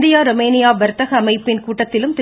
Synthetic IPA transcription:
d̪ɪjaːɾɔmeːnɪjaːʋɐɾt̪ːɐɣɐːmɐɪpːɪnkuːʈːɐt̪ːɪlɯmt̪ɪ

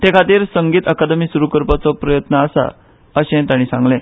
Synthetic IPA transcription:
t̪ekʰat̪iːɾsəŋɡiːt̪əkad̪əmiːsuɾukəɾpat͡sɔpɾəjət̪nəːsa̰ | əɕɛ̃t̪aɽ̃iːsãŋɡlẽ

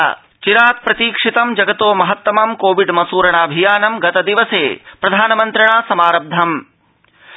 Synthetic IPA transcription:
t͡ʃiɾaːt̪̚pɾɐt̪iːkʂit̪ɐmd͡ʒɐɡɐt̪oːmɐɦɐt̪ːɐmɐmkoːʋiɖmɐsuːɾɐɳ̃aːbʱijaːnɐmɡɐt̪ɐd̪iʋɐseːpɾɐd̪ʱaːnɐmɐnt̪ɾɐɳ̃aːsɐmaːɾɐb̚d̪ʱɐm

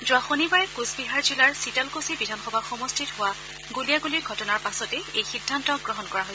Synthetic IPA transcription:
zʊaxonibaɹɛkuzbiɦaɹzilaɹsitalkosibidʱanxɔbʱaxɔmɔstʰitɦʊwa | ɡulijaɡuliɹɡʱɔtɔnaɹpasɔtɛejxidʱːantɔɡɹɔɦɔnkɔɹaɦojsɛ

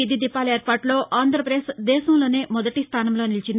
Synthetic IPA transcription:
id̪id̪ipːaːleːɾpaːɾʈlo̞ːʔaːnd̪ʱɾɐpɾeːsd̪ɛːsɐmlo̞ːneːmɔd̪ɐʈist̪ʰaːnɐmlo̞ːnilt͡ʃind̪

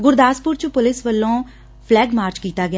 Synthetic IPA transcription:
ɡʊɾd̪aːspʊɾt͡ʃʊpʊlɪsʋəlːõː | pʰlɛːɡmaːɾt͡ʃkiːt̪aːɡɪjaː

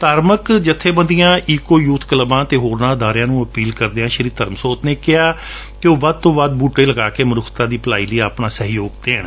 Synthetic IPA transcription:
t̪aːɾməkd͡ʒɪt̪ʰːeːbə̃nd̪ɪjãːʔiːkoːjuːt̪ʰkəlbãːt̪eːɦoːɾnãːd̪aːɾjãːnũːəpiːlkəɾd̪eːãːʃəɾiːt̪əɾəmsoːt̪neːkɪaː | keoːʋaːd̪̚t̪õːʋaːd̪̚buːʈeːləɡaːkeːmənʊkʰt̪ãːd̪iːpəlaːiːləiːaːpnãːsəɦjoːɡt̪eːɦəɳ

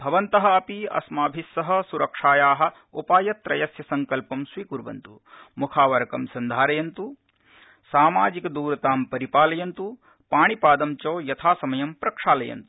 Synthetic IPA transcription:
bʱɐʋɐnt̪ɐɦɐ̆ɐpiɐ̰smaːbʱisːɐɦɐ̆suɾɐkʂaːjaːɦɐ̆ | upaːjɐt̪ːɾɐjɐsjɐsɐŋkɐlpɐmsʋiːkuɾbɐ̰nt̪u | mukʰaːʋɐɾɐkɐmsɐnd̪ʱaːɾɐjɐnt̪u | saːmaːd͡ʒikɐd̪uːɾɐt̪aːmpɐɾipaːlɐjɐnt̪u | paːɳipaːd̪ɐmt͡ʃoːjɐt̪ʰaːsɐmɐjɐmpɾɐkʂaːlɐjɐ̰nt̪u̥

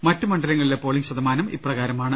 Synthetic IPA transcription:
mɐtːumɐɳɖɐlɐŋːɐɭilepo̞ːɭiŋɕɐd̪ɐmaːnɐmḭprɐɣaːɾɐmaːɳɨ

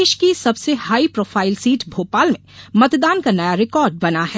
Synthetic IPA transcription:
eːʃkisɐbsehaːipɾoːfʰaːɪlsiːʈbʱoːpaːlmẽmɐt̪d̪aːnkanɐjaɾɪkɔːɾɖ̚bɐnaɦɛː

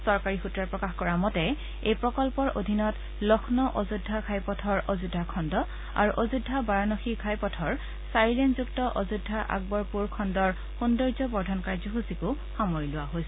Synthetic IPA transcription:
sɔɹkaɹixutɹaɹpɹɔkaxkɔɹamɔtɛ | ejpɹɔkɔlpɔɹo̰dʱinɔt | lɔxʰnɔʔozudʱːakʰajpɔtʰɔɹozudʱːakʰɔndɔ | a̰ɹuʔozudʱːabaɹanɔxikʰajpɔtʰɔɹ | saɹilenzuktɔʔozudʱːaʔa̰ɡ̚bɔɹpuɹkʰɔndɔɹ | xundɔɹzɔbɔɹdʱɔnkaɹzɔxusikʊ | xamoɹilʊaɦojsɛ

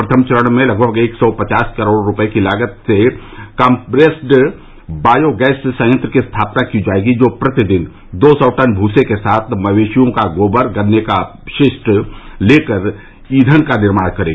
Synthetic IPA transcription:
pɾət̪ʰəmt͡ʃəɾəɽ̃mẽlɐɡ̚bʱəɡeːksɔpɐt͡ʃaːskɐɾoːɽɾʊpəekilaːɡət̪sekãːmpɾeːsʈ | baːjoɡɛːssə̃jə̃nt̪ɾəkist̪ʰaːpnakid͡ʒaːeːɡid͡ʒoːpɾɐt̪ɪd̪ɪn | d̪oːsɔʈənbʱuːsekesaːt̪ʰmɐʋeːʃijõkaɡoːbəɾɡənːekaʃɪʃʈleːkəɾ | iːd̪ʱənkanɪɾmaːɽ̃kɐɾeːɡaː

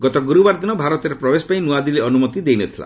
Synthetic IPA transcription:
ɡɔt̪ɔɡuɾubaɾd̪inɔbʱaɾɔt̪eɾepɾɔbespaĩnuad̪ileɔnumɔt̪id̪ejnet̪ʰila̰

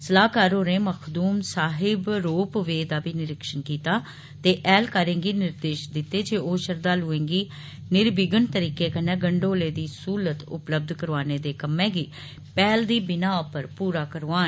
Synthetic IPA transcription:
səlaːkaːɾoːnẽːməkʰd̪uːmsaːɦɪbɾoːpʋeːd̪aːbiːnɪɾɪkʃənkiːt̪aː | t̪eːʔɛːlkaːɾẽːɡiːnɪɾd̪eːʃd̪ɪt̪ːeːd͡ʒeːoːʃəɾd̪aːluẽːŋɡiː | nɪɾbɪɡənt̪əɾiːkeːkənːɛ̃ːɡəɳɖoːleːd̪iːsuːlət̪ʊ̰pləb̚d̪kəɾʋaːneːd̪eːkəmɛ̃ːɡiː | pɛːld̪iːbɪnaːɔpəɾpuːɾaːkəɾʋaː

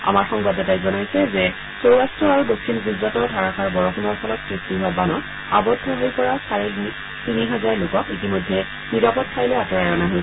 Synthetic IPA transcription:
a̰maɹxɔŋbadɛtajzɔnajsɛzɛ | sowɹastɹɔaɹudokʰsinɡizatɔdʱaɹakʰaɹbɔɹɔxunɔɹpʰɔlɔtsɹistiɦʊabanɔt | a̰bɔtʰːɔɦojpɔɹasaɹɛ | tiniɦazaɹlokɔkitimɔjdʱːɛ | niɹapɔt̚kʰajlɛatɔɹajɔnaɦoj

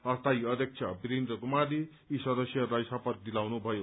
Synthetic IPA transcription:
ʌst̪ajʌd̪ʌk̚t͡ʃʰʌbiɾind̪rʌɡumali | isʌd̪ʌsjʌɾajsapʌt̚d̪ilawnubʱʌjo

